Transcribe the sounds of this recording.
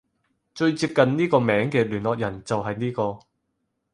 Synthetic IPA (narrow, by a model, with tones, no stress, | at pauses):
t͡ʃɵ˧ɥt͡siː˧p̚kɐ˨nniː˥kɔː˧mɛː˨˥ŋkɛː˧lyː˨˩nlɔː˨k̚jɐ˨˩nt͡sɐ˨wɦɐ˨jniː˥kɔː˧